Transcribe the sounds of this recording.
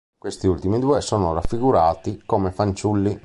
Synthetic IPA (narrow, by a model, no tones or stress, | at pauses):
kwest̪iult̪imid̪uːesɔːnorafːiɡuɾaːt̪ikomefant͡ʃulːi